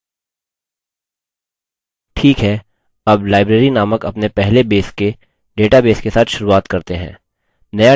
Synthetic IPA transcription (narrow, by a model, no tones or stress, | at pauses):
ʈʰiːkɦɛː | ɐblaːɪbɾeːɾinaːməkɐpnepɛɦlebeːske | ɖeːʈabeːskesaːt̪ʰʃʊɾuaːt̪kɐɾt̪eɦɛ̰̃ː | nɐja